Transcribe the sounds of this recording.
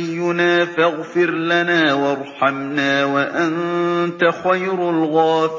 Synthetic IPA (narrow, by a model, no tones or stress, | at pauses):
jːʊnaːfaɣfɪɾlanaːwɑɾˤħɑmnaːwaʔant̪axajɾʊlɣaːf